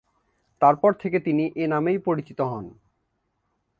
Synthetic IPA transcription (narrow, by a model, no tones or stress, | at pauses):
t̪aɾpɔɾt̪ʰeket̪iniʔenamejpoɾit͡ɕit̪oɦɔn